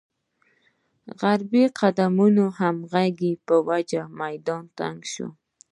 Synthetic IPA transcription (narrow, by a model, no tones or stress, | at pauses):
ɣaɾbiqʰad̪amʊnohamɣaɡɪpəwad͡ʒamajd̪ɑnt̪a̰ŋɡʃʊ̰